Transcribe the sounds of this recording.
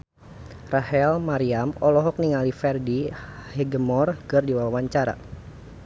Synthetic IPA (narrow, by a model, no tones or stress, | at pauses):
rahɛlmaɾiamɔlɔɦɔk̚niŋalifɛrdihɛɡəmɔrkɨrdiwawaɲt͡ʃaɾa̰